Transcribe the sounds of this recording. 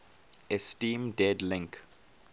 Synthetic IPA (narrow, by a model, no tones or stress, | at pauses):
ɛstĩːmdɛdlɪ̃ŋk